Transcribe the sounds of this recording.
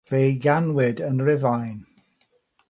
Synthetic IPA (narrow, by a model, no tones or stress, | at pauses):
v̥ejɡanwɪdənrɪvajn